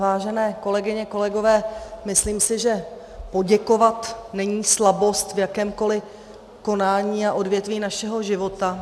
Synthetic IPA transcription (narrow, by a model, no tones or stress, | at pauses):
vaːʒɛnɛːko̞lɛɡɪɲɛko̞lɛɡo̞vɛːmɪsliːmsɪʒɛ | po̞ɟɛko̞vat̪nɛɲiːslabo̞st̪vjakɛːmko̞lɪ | ko̞naːɲiːaʔo̞dvjɛt̪viːnaʃɛɦo̞ʒɪvo̞t̪a